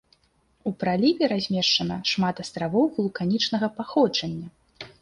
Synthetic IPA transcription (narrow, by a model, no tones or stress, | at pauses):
upɾalʲivʲɛɾazʲmʲɛʂt͡ʂɐnɐʂmat̪ast̪ɾavɔwɣulˠkanʲit͡ʂnɐɣɐpaxɔd͡ʐɐnʲːɐ